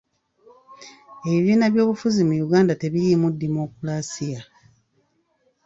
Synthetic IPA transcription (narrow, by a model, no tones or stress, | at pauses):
e̞βiβiːnaβjo̞ːβufuzimujuɡaːndate̞βijimudːimo̞kulasija